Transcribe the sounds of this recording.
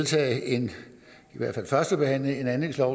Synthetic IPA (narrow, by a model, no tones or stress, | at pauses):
ðˠt͡sʰɛ̰ːɪe̝n | iʋæɐ̰d̥fælfɶɐsd̥əb̥e̝hæn̰ləe̝næne̝ŋslɒʊ